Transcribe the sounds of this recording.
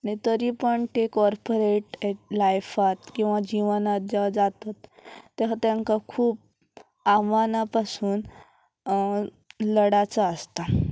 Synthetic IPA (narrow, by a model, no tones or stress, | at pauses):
aɽ̃it̪əɾipəɳt̪ekɔɾpoɾeʈlajfat̪kĩw̃ʋad͡ʑiʋnat̪̚d͡ʑad͡zat̪at̪ːeʋat̪jaŋkakʰuːp̚ | amanapasuːn | ləɽat͡saəst̪a